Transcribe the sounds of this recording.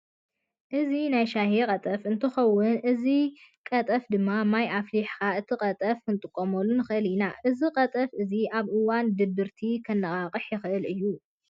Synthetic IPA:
ʔɨzinajʃahikʼɐt̪ʼɐfɨnt̪ʰɨxɐwːʊnʔɨzikʼɐt̪ʼɐfd̪ɨmːamajʔafliħkaʔɨt̪ʰɨqʼɐt̪ʼɐfkʰɨnt̪ʼɨkʼːomolːunɨxɨʔɨlinaʔɨziqʼɐt̪ʼɐfɨziʔaβʔɨwand̪ɨbːɨɾt̪ʰikʰɐnːɐkʼaqʼɨħjɪxʔɨlʔɨjːu

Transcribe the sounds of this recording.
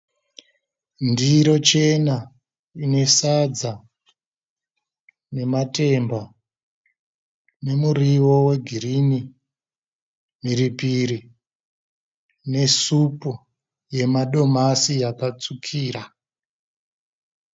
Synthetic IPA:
ndiɾo̞t͡ʃe̞na | ine̞sad͡za | ne̞mate̞mba | ne̞muriwo̞we̞ɡʱirini | miɾipiɾi | ne̞supu | je̞maɗo̞masijakat͡sukʰiːra

